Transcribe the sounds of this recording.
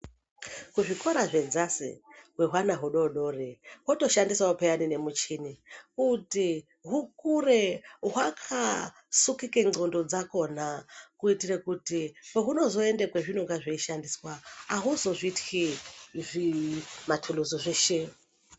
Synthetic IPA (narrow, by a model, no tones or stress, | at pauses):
kuʐikoɾaʐed͡zasḭɦweɦwanaɦuɗoɗo̞reɦoto̞ʃandiswaupejanine̞mut͡ʃinikuti | ɦukureɦwakʰa | sukikeondod͡zako̞nakuitirekutipoɦuno̞zoendekweʐinoŋɡaʐeiʃandiswaːɦuzo̞ʐitkiʐimatʰuluzoʐeʃe